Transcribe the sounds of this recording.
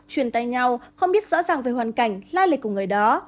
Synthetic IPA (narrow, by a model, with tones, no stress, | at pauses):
t͡ɕwi˧˩ənt̪a̰ː˧˨jɲa˧wxə˧wŋ͡mɓi˦˥ət̚zɔ̰˧˥zaː˨˩ŋve˨˩jwaː˨˩nka˧˩jŋ̟laː˧lə̰˨˩k̚ku˧˩əŋɨ˨˩əjɗɔ˨˦